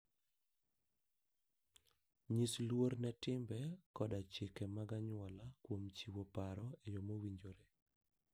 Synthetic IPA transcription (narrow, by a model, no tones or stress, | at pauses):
ɲislwoɾnɛtɪmbɛkɔdat͡ʃɪkɛmaɡaɲwɔlakwomt͡ʃiwopaɾɔejɔmowiɲd͡ʒoɾe